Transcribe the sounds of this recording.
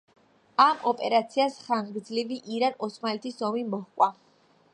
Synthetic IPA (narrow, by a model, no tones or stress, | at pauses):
amɔpʼɛɾat̪sʰiasχaŋɡɡɾd̪zliviʔiɾanɔsmalɛt̪ʰisɔmimɔhkʼwa